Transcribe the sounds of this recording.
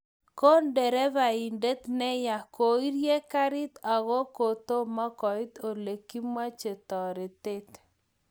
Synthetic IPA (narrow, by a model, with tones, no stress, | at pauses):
ko˦ndɛ˨ɾɛ˦βa˨i˨nde˦t̪nɛ˦ja˨ko˨i˦ɾje˦ka˦ɾɪ˦t̪a˨ɣo˦ko˨t̪o˦ma˦kɔ˨i˦t̪o˨le˨ki˦mwa˦t͡ʃe˨t̪ɔ˨ɾe˨t̪e˦t̪